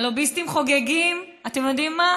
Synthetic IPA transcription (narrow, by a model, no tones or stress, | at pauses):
lobist̪imχo̞ɡeɡim | atemjod̪imːa